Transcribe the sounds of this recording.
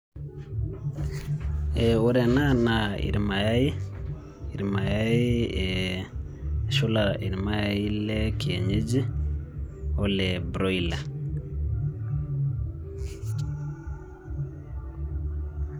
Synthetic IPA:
ɛo˦ɾɛ˨na˦na˨ḭ˨ɾi˨ma˨ja˦i˦ | i˨ɾima˨ja˦i˦ɛ | ʃu˦la˨i˨ɾima˦ja˦i˦lɛ˦ki˨ḛ˨ɲe˦d͡ʒi˦ | o˦lɛ˨bɾo˦ila˨

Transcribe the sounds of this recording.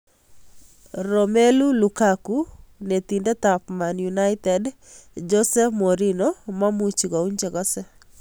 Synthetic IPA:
ɾɔme˦lu˦luka˨ku˦ne˨t̪i˨ndɛ˦t̪a˨pma˨njuna˦ɪt̪ɛd | d͡ʒɔ˦sɛ˦mo˨ɾino˦ma˦mu˦t͡ʃi˨ɡɔ˨u˦ɲd͡ʒɛ˨ɡɔ˦sɛ˦

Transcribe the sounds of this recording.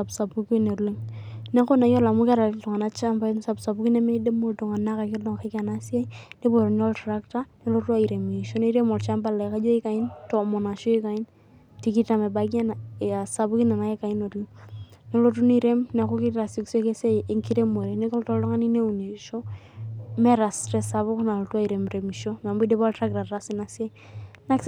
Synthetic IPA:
sa˨bsa˨bu˦ke˦ne˨ɾle˦ŋne˦ko˦na˨jo˦la˨mu˦ka˦ɾa˨ltɔ˨ŋa˨na˦t͡ʃa˦mba˦nsa˨bsa˨bu˦ki˦nɛ˦me˦de˦mo˨lto˨ŋa˨na˦ka˨kɪ˦ɾdɔ˨ŋ˨ke˦ka˨na˦si˦a˦i˦ne˦bo˨ɾo˨n˦ɔ˦ltɾa˦kta˦ne˦lo˦tu˦a˦i˨ɾe˨me˨ʃo˦ne˦i˦ɾe˦mɔ˨lt͡ʃa˦mba˦la˨ka˦d͡ʒo˦i˦ka˨ɪ˦ntɔ˨mo˨na˨ʃo˦i˦ka˨ɪ˦n | ti˦ki˦ta˨me˨ba˦ɡi˦a˦na˨a˨sa˨bʊ˦ki˦na˨na˨je˦ka˨i˦no˨di˦ne˦lo˦tu˦ni˦ɾe˦mna˨ku˦ki˦ɾa˨si˦kse˦ke˦se˦e˦ŋki˦ɾe˦mo˨ɾene˦kɔ˦ltɔ˦ldɔ˦ŋa˦ni˦ne˦u˨ne˨ʃo˦ | mɛ˦ɾa˨stɾɛ˦sa˨βʊ˦kna˨lo˨tu˦a˦i˨ɾe˨mɾe˨mi˨ʃo˦ma˨mbu˦de˦bɔ˦ltɾa˦kta˨ɾa˦sɪ˨na˨sia˦i | na˦k

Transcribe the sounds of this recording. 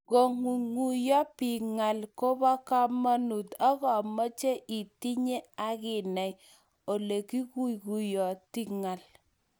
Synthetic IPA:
ɡo˨ŋu˨ŋu˨jɔ˦pi˨ŋa˨lko˦bɔ˦ka˦ma˦nu˨ta˦ɣɔ˨mɔ˦t͡ʃe˦ʔi˨ti˦ɲe˦a˦ɣɪ˨nɛ˨j | o˨le˨ki˦ku˦jku˨jɔ˨ti˦ŋa˨l

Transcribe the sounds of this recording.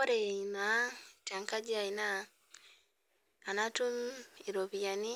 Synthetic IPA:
ɔ˦ɾɛ˨i˨na˨˦ta˨ŋka˦d͡ʒi˦a˨i˨na˦˨ | na˦tu˦mi˨ɾo˨βija˨ni˦

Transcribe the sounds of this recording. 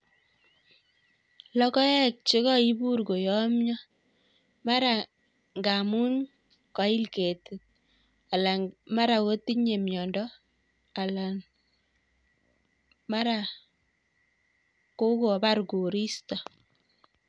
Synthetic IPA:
lɔ˦kɔ˦jɛ˦k̚t͡ʃɪ˦ɣɔ˦i˦bu˦rɡo˨jɔ˦mɲɔ˦ | ma˦ɾa˨ | ŋɡa˨mu˦n | ka˨˦i˦lke˨tɪ˨t̚ | a˨la˨ma˦ɾa˨ko˦ti˦ɲe˨mjɔ˨ndɔ˦ | a˨la˨n | ma˦ɾa˨ | ko˦ko˨ba˦ɾɡo˨ɾi˦stɔ˨

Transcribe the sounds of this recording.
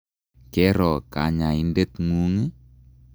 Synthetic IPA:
kɛ˦ɾɔ˨ka̰˨ɲa˨i˦nde˦t̪ŋu˦ŋi˦

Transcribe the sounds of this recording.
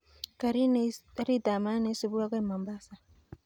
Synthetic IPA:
ka˨ɾi˦na˦ɾi˦da˨ma˦ne˦si˦βu˦ɾa˦ke˦ma˨mba˦sa˨

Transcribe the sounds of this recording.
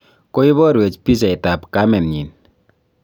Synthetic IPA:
ko˦i˦βɔ˦ɾwe˨t͡ʃpi˦s̬ɛ˨i˨ta˨pka˦mɛ˨nɲi˨n

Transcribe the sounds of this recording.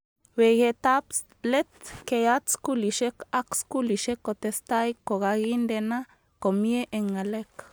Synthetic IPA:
we˨je˧t̪a˦ps | le˦t̪ke˧ja˦t͡sku˦li˨ʃe˦ka˦ksku˦li˨ʃe˦kːo˧˨t̪e˧st̪a˦jko˨ɡa˧ɡi˦nd̪e˧na˦ | ko˨mje˦ʔe˧ŋa˨le˦k

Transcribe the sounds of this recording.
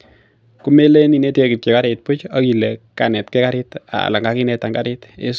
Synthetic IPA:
ku˦me˦le˦ni˨ne˦teki˨t͡ʃe˨ka˦ɾet̚pʊ˦t͡ʃa˦ki˨le˨ka˨nɛ˨tkɛ˦ka˦ɾɪta̰˨la˨ŋɡa˦ki˦nɛta˨ŋɡaɾɪtḛ˦s

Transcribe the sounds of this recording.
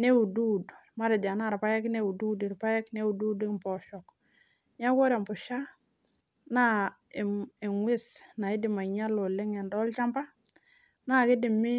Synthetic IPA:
ne˦u˨du˦dma˦ɾa˨d͡ʒa˨na˦˨ɾpa˦je˦kne˦wu˨du˦di˨ɾpa˦je˦kne˦wu˨du˦di˦˨pɔ˨ʃɔ˨k | ɲa˦ko˦ɾe˨mpu˨ʃa˦ | na˦˨ | i˨ŋwi˦sna˨i˦di˨ma˨ɲa˦lo˨lɪ˦ŋɛ˨ndɔ˦lt͡ʃa˦mpa˦ | na˦˨ki˦di˨mi˦

